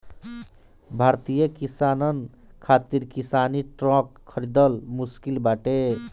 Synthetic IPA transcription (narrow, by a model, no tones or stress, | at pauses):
bʱaɾt̪ijəkisanən | kʰat̪iɾkisaniʈɾɔ̃kʰːəɾid̪əlmuskilbaʈe